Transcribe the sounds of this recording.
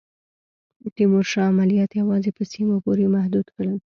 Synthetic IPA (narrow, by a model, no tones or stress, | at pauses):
əʈ̪imoɾʃɑːmalijɑt̪jawɑzepəsimopoɾemahd̪ud̪kəɽəl